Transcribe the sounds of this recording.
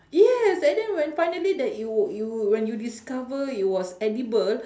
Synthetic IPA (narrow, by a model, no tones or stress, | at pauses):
jɛsadɛ̃nwɛ̃nfajnəlidɛtjujuwɛ̃njudiskavəit̚wɔsɛdibəl